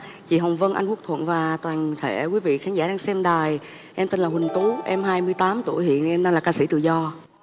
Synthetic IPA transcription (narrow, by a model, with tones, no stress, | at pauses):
t͡ɕḭ˧˨ɦə˨˩wŋ͡mvə˧nʔa̰˧jŋ̟ku˦˥ək̚t̪ʰwə̰˧˨nvaː˨˩t̪waː˨˩nt̪ʰe˧˩kwi˨˦vḭ˧˨xaː˨˦ŋzaː˧˩ɗaː˧ŋsɛ˧mɗaː˨˩j | ʔɛ˧mt̪e˧nlaː˨˩hwï˨˩ŋ̟t̪u˨˦ʔɛ˧mɦaː˧jmɨ˧əjt̪aː˨˦mt̪u˧˩˨jhḭ˧˨ənʔɛ˧mnɗaː˧laː˨˩kaː˧sḭ˧˩t̪ɨ̰˧˨zɔ˧